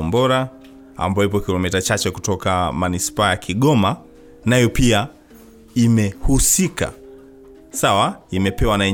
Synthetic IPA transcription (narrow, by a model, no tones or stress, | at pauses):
mbɔɾa | a̰mbaɔipɔkilɔmitat͡ʃat͡ʃɛku̥tɔkamanispaːjakʰiɠɔma | najɔpia | imɛhusika̰ | sawaimɛpɛwanaɛ